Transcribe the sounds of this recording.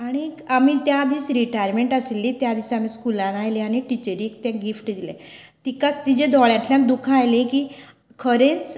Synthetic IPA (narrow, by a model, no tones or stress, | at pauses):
aɽ̃iamit̪jad̪iːsɾiʈajəɾmeɳʈəselːit̪jad̪iːsamiskulãnajliaɽ̃iʈit͡ɕəɾikt̪jãɡifʈd̪ilḛ̃ | t̪ikat͡st̪id͡ʑed̪ʱɔɭjãt̪ljãd̪ukʰajlẽki | kʰəɾẽnt͡s